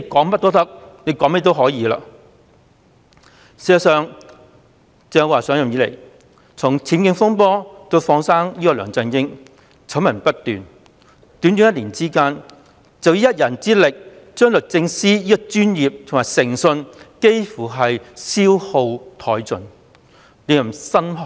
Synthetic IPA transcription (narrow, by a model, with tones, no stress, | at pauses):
ne˨˧jkɔː˨˥ŋpɐ˥t̚t̪ɔː˥t̪ɐ˥k̚ne˨˧jkɔ˨˧˥mɛː˥t̪o˥wɦɔː˨˥jiː˨˧la̰ː˧ | si˨˩ɐ˨˩sœː˨˧ŋ | t͡sɛː˧waː˨˩sœː˨˥ŋjɐ˨mjiː˨˧lḛ˨˩j | t͡sʰʊ˨˩ŋt͡sʰiː˨˥nkɪ˧ŋfʊ˥ŋpɔː˥t̪o˧wfɔː˧ŋsaː˥ŋjiː˥kɔ˧lœː˨˩ŋt͡sɐ˧nɪ˥ŋ | t͡sʰɐ˨˥wmɐ˨˩npɐ˥t̚t̪yː˨n | t̪yː˨˥nt̪yː˨˥jɐ˥t̚liː˨˩nt͡siː˥kaː˥n | t͡sɐ˨wjiː˨˧jɐ˥t̚jɐ˨˩nt͡siː˥lɪ˨k̚ | t͡ʃœː˥ŋlɵ˨t̚t͡sɪ˧ŋsiː˥jiː˥kɔ˨˧t͡ʃyː˥njiː˨p̚t̪ʰʊ˨˩ŋmaː˨˩jsɪ˨˩ŋsɵ˧nke˥jfuː˨˩ɦɐ˨jsiː˥who˧wt̪ʰɔː˨˥jt͡sɵ˨n | ne˨˧jɐ˨˩msɐ˥nɦɔ˨